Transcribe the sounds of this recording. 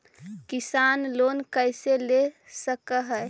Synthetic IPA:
kisanloːnkəjselesəkəɦə

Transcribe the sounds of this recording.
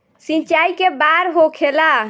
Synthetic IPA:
sĩt͡ʃaikebaɾɦokʰela

